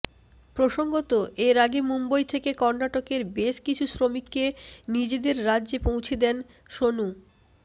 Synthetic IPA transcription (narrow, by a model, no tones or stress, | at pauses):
pɾoʃoŋɡot̪oʔeɾaɡemumbojt̪ʰekekɔɾnaʈokeɾbeʃkit͡ɕʰusɾomikːenid͡ʑed̪eɾːadːʑepõwt͡ɕʰed̪ɛn | ʃonu